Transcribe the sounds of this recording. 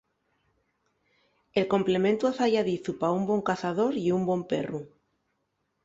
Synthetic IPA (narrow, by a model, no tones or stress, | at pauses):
e̞lko̞mple̞mẽnt̪uaθaʝaðiθupaumbwo̞ŋkaθaðo̞ɾiumbwo̞mpe̞ru